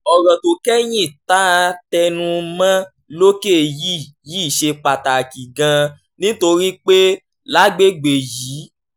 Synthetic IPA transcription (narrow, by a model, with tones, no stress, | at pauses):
ɔ˨ɾɔ̃˨to˨kɛ˦j̃ĩ˦˨ta˦˧˦tɛ˧nũ˧mã˦ | lo˦ke˦˨ji˦˨ | ji˦˨ʃe˧k͡pa˨ta˨ki˨ɡã˧ | nĩ˦to˧ɾi˦k͡pe˦ | la˦ɡ͡be˦ɡ͡be˨jiː˨˦